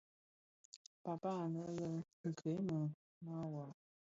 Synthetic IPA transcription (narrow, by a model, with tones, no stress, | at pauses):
pa˨pa˥˨nə˧˦lə˧˨ | kʰe˨˦mə˨ | ma˦wa˨